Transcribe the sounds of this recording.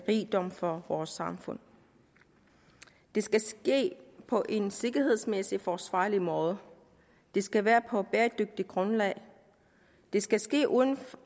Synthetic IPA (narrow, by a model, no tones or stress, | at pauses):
ʁiːd̥ɒ̽m̰fɒ̽ʋɒːsɑ̈mfɔ̽n̰ | d̥e̝sɡ̥æsɡ̥e̝̰ːpʰɒ̽ʔe̝nse̝ɡ̥ɐɦe̝ð̞ˠsmesifɒsʋɑ̰̈ːlimɔ̽ːð̞ˠə | d̥e̝sɡ̥æʋæːɐpʰɒ̽b̥eːɐd̥øɡ̥̚d̥iɡ̥ʁɔ̽nlɛ̰ːɪ | d̥e̝sɡ̥æsɡ̥e̝̰ːʔuðˠn̩f